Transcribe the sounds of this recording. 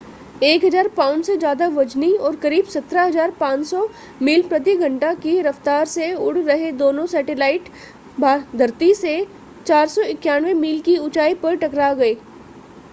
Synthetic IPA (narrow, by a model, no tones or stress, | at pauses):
eːkɦɐzaːɾpaːʊnsed͡ʒjaːd̪aʋɐd͡ʒniɔːɾkɐɾiːbsɐt̪ɾaɦɐzaːɾpãːt͡ʃsɔ | miːlpɾɐt̪̬iɡʱɐ̃ɳʈakiɾɐft̪aːɾseʊɽ̤ɾɐɦed̪oːnõsɛːʈelaːɪʈ | bʱaːd̪ʱɐɾt̪ise | t͡ʃaːɾsɔɪkjaːnʋemiːlkiʊt͡ʃaːipɐɾʈɐkɾaɡɐeː